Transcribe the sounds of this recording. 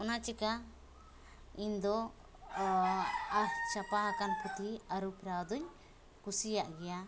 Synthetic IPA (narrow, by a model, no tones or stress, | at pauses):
ɔnat͡ʃɛka | iɲd̪ɔ | aɾt͡ʃapaɦakanpʰut̪iaɾupɾawd̪uɲ | kusijaʔɡɛja